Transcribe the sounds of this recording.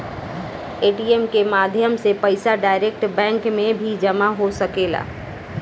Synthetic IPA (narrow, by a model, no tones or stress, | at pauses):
eːʈiemkemaːd̪ʱjəmsepəɪsaɖaːɪɾekʈbɛ̃ːŋkmẽbʱid͡ʒəmaɦosəkeːla̰ː